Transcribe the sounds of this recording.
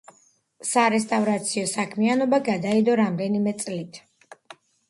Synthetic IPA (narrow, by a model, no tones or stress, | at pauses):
saɾɛst̪ʼavɾat̪sʰiɔsakʰmianɔbaɡad̪aid̪ɔɾamd̪ɛnimɛt̪sʼlit̪ʰ